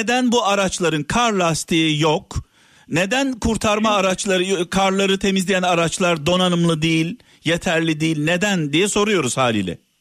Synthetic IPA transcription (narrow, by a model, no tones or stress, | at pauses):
ned̪ænbuaɾat͡ʃlˠaɾɯnkʰaɾlˠast̪ʰijok | ne̞d̪ænkʰuɾt̪ʰaɾmaːɾat͡ʃlˠaɾɯkʰaɾlˠaɾɯt̪ʰe̞mizlʲijænaɾat͡ʃlˠaɾd̪o̞nanɯmlˠɯd̪ijilʲ | jet̪ʰæɾlʲid̪ijilʲned̪ænd̪ijɛso̞ɾujo̞ɾuz̥haːlʲḭlʲɛ̰